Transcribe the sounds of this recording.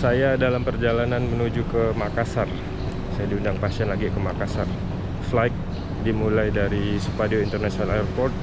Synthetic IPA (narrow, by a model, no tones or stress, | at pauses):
sajadalampərd͡ʒalananmənud͡ʒukəmakasar | sajadiundaŋpasiɛnlaɡikəmakasar | flajk̚ | dimulajdaɾisupadioint̪ərnasionalaɛrpɔrt̪̚